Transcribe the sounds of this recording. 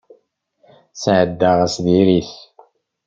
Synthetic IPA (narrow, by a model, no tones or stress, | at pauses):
sʕəd̪ːaʁæsðiɾiθ